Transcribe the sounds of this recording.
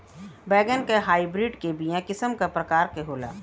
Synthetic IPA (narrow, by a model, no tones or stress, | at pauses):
bɛːɡənkaɦaːibɾɪɖkebijãkɪsəmkapɾəkaːɾkeɦoːla̰ː